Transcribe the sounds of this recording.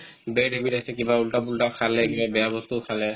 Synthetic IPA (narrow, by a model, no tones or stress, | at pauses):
bɛjdebitasɛkibaultapultakʰalɛkibabɛjabɔstukʰalɛ